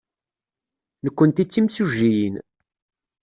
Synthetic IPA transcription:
nəkʷːənt̪it͡sːimsuʒːijin

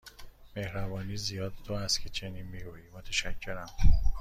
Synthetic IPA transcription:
me̞hɾæbɒːniːzijɒːd̪t̪ʰoæst̪cʰet͡ʃʰeniːnmiɡuːjimot̪ʰæʃæcʰːe̞ɾæm

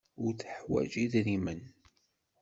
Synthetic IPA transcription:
ʊɾθəħwæ̰d͡ʒiðnimən

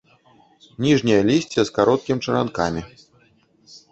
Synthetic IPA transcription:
nʲiʐnʲɐjɐlʲisʲt͡sʲɛskaɾɔt̪̚kʲimʲt͡ʂɐɾa̰nka̰mʲi

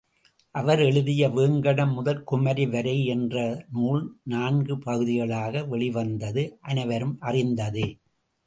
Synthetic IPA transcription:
ʔɐʋɐɾɛɻɯðɪjɐʋeːŋɡɐɽɐmːʊðɐlkʊmɐɾiʋɐɾɐɪɛndrɐnuːlnaːnɡɯpɐɣɯðɪɣɐɭaːɣɐʋɛɭɪʋɐnd̪ɐðɯʔɐnɐɪʋɐɾɯmʔɐrɪnd̪ɐðɯ

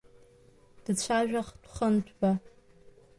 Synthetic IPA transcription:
d̥ɨt͡ɕʷʰaːʒᶣʷɐχtʷʰʼχɐntʷʰba

